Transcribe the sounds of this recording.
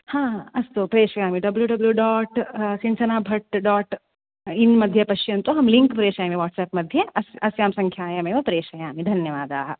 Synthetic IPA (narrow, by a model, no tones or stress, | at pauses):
hãːɐst̪opɾeːʃʋɐjaːmĩɖɐbljuɖɐbljuɖɔːʈsɪnsɐnaːbʱɐʈɖɔːʈ | ɪnmɐd̪ʱjɐpɐʃt͡ʃɐ̃nt̪oɦɐmlɪ̃ŋkpɾeːʃaẽmeʋɔːʈsɛːpmɐd̪ʱjɐʔɐsɐsjaːmsɐ̃ŋkʰjaːjɐmẽʋɐpɾeːʃɐjaːmid̪ʱɐnjɐʋaːd̪aː